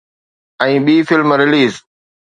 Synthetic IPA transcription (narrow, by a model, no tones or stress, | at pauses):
ʔaɲɓiːfilmɾiliːz